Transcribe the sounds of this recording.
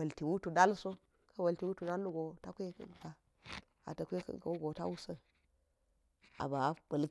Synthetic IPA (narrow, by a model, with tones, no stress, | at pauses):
ɐ˨lti˨wu˦tu˨da˦lso˦ | kʰɐ˦wɐ˨lti˨wu˦tu˨da˦lːu˦ɡo˨ta˦kʷḛ˦˨ka˨ | a̰˨tɐ˨kʷe˦kka˨wu˦ɡo˨ta̰˦wu˦sə˦ | a̰˨ba˨˦b̥ɐ˨l